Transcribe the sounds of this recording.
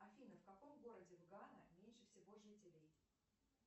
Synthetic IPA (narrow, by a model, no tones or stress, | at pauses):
ɐfʲinəfkɐko̞mɡo̞ɾədʲɪvɡanəmʲenʲʂɨfsʲɪvo̞ʐɨtʲɪlʲej